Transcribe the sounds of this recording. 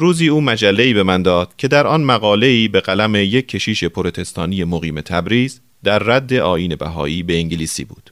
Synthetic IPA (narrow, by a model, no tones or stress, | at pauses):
ɾuːziːuːmæd͡ʒælːe̞iːbe̞mænd̪ɒːd̪̥cʰe̞d̪æɾʔɒːnmæɣɒːle̞iːbe̞ɣælæme̞je̞cʰːe̞ʃiːʃe̞pʰoɾo̞t̪ʰe̞st̪ʰɒːnije̞moɣiːme̞t̪ʰæbɾiːz | d̪æɾːæd̪ːe̞ʔɒːʔiːne̞bæ̰ɦɒ̰ːʔiːbe̞eŋɟeliːsḭːbṵːd̪̥